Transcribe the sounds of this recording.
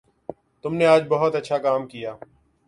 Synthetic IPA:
t̪ʊmneaːd͡ʒbɐɦʊt̪ɐtːʃʰakaːmkijaː

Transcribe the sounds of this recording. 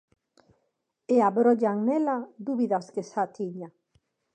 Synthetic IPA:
eaβɾoʎaŋnelad̪uβiðaskesat̪iʎa

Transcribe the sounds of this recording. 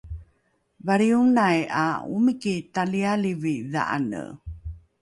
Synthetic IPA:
vaɾiuŋnaja̰ṵmikitalialiviða̰ʔa̰nə̰

